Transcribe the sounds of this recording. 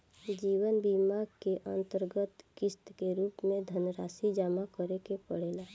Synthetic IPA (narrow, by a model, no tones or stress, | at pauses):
d͡ʒiːwənbimaɡkeʔə̰̃nt̪əɾɡət̪kɪst̪keɾuːpmẽd̪ʱənɾaːsid͡ʒaːmakəɾekepəɽeːla